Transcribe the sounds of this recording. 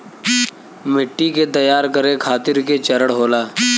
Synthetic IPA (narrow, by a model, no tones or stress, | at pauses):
mɪʈːiket̪ɐjaːɾkəɾekʰaːt̪ɪɾket͡ʃɐɾəɽɦoːlaː